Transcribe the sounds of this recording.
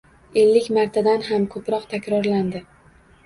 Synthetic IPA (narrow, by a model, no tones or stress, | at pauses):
e̞lːɪkʲmaɾt̪ʰad̪anɦamkʰɵpɾɒqt̪ʰakʲɾɒɾland̪ɪ